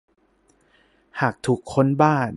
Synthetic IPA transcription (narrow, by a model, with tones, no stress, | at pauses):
haː˨˩k̚t̪ʰu˨˩kʰːo˥˨nbaː˥˩n